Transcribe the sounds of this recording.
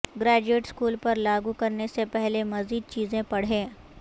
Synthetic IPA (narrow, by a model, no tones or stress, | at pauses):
ɡɾɛːd͡ʒeːʈskuːlpɐɾlaːɡukɐɾnesepɛɦlemɐziːd̪̚t͡ʃiːzẽpɐɽ̤ɦẽː